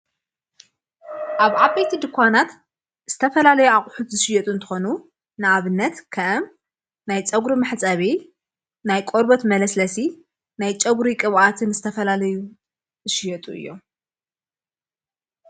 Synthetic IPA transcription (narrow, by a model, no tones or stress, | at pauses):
ʔaβʕabɐjt̪ʰid̪ɨkʰʷːwanat̪ | z̥ɨt̪ʰɐfɐlalɐjuaχʼħut̪zɨʃɪjɛt̪ʼuɨnt̪ʰɨ̥xo̞nu | nɨaβɨnːɐt̪kʰɐʔɐm | najt͡sʼɐɡɾimɨħt͡sʼɐβi | najkʼoɾbot̪mɐlɐslɐsi | najt͡ʃʼɐɡʷɾikʼɨβʔat̪ʰɨnzɨt̪ʰɐfɐlalɐju | zɨʃɪjɐt̪ʼuɨ̰jːo